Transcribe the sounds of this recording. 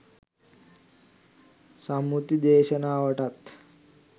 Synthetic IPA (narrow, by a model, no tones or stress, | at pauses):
samut̪id̪eːɕənaːʋəʈat̪